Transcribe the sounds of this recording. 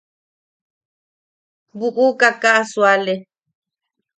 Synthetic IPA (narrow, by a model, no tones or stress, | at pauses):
buʔukakaʔaswale